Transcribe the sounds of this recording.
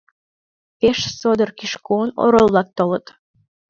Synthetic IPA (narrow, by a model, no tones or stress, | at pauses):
peʃsod̪ərkiʃkono̰ɾolːɑk̚t̪olət̪